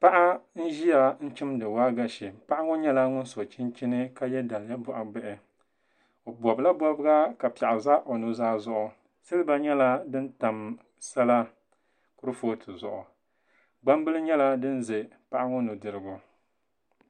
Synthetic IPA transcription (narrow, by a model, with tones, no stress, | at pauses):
pa˦ʔa˦n̩˦ʒi˦ja˨n̩˦t͡ʃɪ˦mdɨ˨waː˦ɡa˨ʃi˨pa˦ʔa˦ŋʊ˦ɲɛ˦la˦ŋʊ˦n˦so˨t͡ʃi˦nt͡ʃi˦nɨ˦ka˦jɛ˦da˨lja˦bɔ˨ʔa˨bɛ˦ʔɪ˨ | o˨bɔ˨bla˦bɔ˦bɨ˦ɡa˦ka˨pa˨ʔa˨za˦ʔo˨nu˨zaː˦zʊ˦ʔʊ˨ | sa˦lɨ˦ba˦ɲɛ˦la˦dɨ˦n˦ta˨m | sa˦la˦ | kʊ˦ɾɨ˦fo˦tʰɨ˨zʊ̰˨ʔʊ˨ | ɡ͡ba˦mbɨ˦lɨ˦ɲɛ˦la˦dɨ˦nze˨ | pa˦ʔa˦ŋʊ˦nu˨dɨ˨ɾɨ˨ɡʊ˨